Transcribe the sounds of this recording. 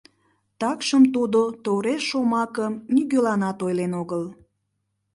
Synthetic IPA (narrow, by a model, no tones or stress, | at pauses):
t̪ɑkʃəmt̪ud̪ot̪oɾeʃomɑkəmnyɣølɑnɑt̪ojlenoɣəl